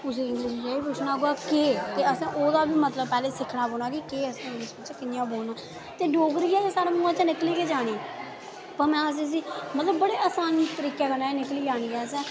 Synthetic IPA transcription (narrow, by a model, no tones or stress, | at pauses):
ʊseːɪ̃ŋɡlɪːʃ̬d͡ʒaːiːpʊt͡ʃʰnaːɡoaːkeːt̪eːəsãːʔoːd̪aːbiːmət̪ləb̚pɛːleːsɪkʰɽaːboːɳaːkikeːəsãːɪ̃ŋɡlɪʃbɪt͡ʃkɪnɪjãːboːnaː | t̪eːɖoːɡɾiːɛːsaːɽeːmũːãːt͡ʃənɪkliːkeːd͡ʒaːɽ̃eː | pəɾmɛ̃ːəs̬ĩːs̬iːmət̪ləbːəɽeːaːsaːniːt̪əɾiːkaːkəɾnaːeːnɪkliːd͡ʒaːɽ̃iːɛːəsɛ̃ː